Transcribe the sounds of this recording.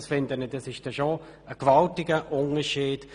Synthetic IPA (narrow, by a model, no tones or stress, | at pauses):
sfɪndənədɑsɪʃd̥ɛʃo | əkvɑltɪɡəʔʊnəʃiːd̥